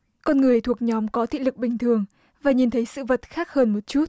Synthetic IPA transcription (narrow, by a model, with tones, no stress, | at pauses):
kɔ˧nŋɨ˨˩əjt̪ʰu˨˩ək̚ɲɔ˨˦mkɔ˨˦t̪ʰḭ˧˨lɨ˨˩k̚ɓï˨˩ŋ̟t̪ʰɨ˨˩əŋ | vaː˨˩ɲi˨˩nt̪ʰə˨˦jsɨ̰˧˨və˨˩t̚xaː˦˥k̚həː˧nmo˨˩t̚t͡ɕu˦˥t̚